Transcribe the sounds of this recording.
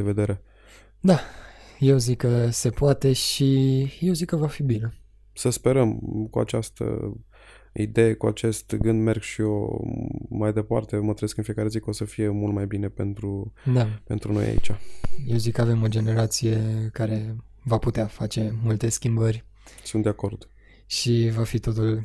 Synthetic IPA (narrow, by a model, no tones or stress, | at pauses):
eved̪e̞ɾe̞ | d̪aje̞wzikːəse̞poat̪e̞ʃijewzikːəvafibine | səspe̞ɾəmkua̰t͡ʃast̪ə̰ | ḭd̪e̞jekua̰t͡ʃe̞st̪ɡɨnd̪me̞rɡʃio̰ | majd̪e̞pa̰rt̪e̞mət̪ɾeskɨnfije̞kaɾe̞zikosəfije̞mult̪̚majbine̞pe̞nt̪ɾud̪ape̞nt̪ɾuno̞̰ja̰ḭt͡ʃʲaje̞wzikːəave̞mo̞d͡ʒene̞ɾat̪sije̞kaɾe̞vaput̪eafat͡ʃe̞mult̪e̞skʲimbərʲ | sunt̪d̪eako̞rd̪̥ | ʃivafit̪o̞t̪ul